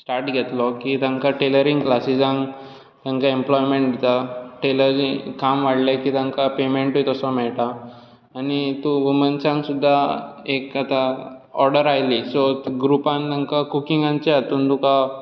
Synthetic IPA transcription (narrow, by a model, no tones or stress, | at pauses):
sʈaɾʈɡʱɛt̪lɔkit̪ãŋkaʈeləɾiŋɡklasid͡zãŋɡ | t̪ãŋkaemplɔjmeɳʈd̪it̪aʈeləɾikamʋaɽlakit̪ãŋkapemeɳʈojt̪ɔsɔmɛɭʈaː | nit̪ũʋəmənt͡sãŋsud̪ʱːaekat̪aɔɾɽəɾajlisɔɡɾupãnt̪ãŋkakukiŋɡãɲt͡ɕeat̪uːnt̪uka